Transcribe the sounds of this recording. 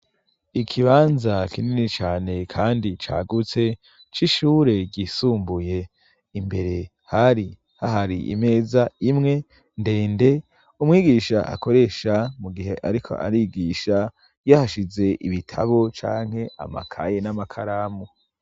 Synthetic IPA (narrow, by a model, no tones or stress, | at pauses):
ikʰiβaːnzakininit͡ʃaːne̞kʰaːndit͡ʃa̰ːɡut͡se̞ | t͡ʃiʃuːɾe̞ɟisuːmbuje̞ | imbe̞ɾe̞ | haɾi | haɦaɾḭʔḭme̞ːzaimŋe̞ | nde̞ːnde̞ | umŋiːɡiʃaʔa̰ko̞ɾe̞ʃamuɡiɦe̞ʔaɾikʰo̞̰ʔa̰ɾiɡiʃa | jahaʃize̞ʔiβitʰa̰βo̞t͡ʃaːŋ̥he̞a̰ma̰kʰa̰jenamakʰaɾamo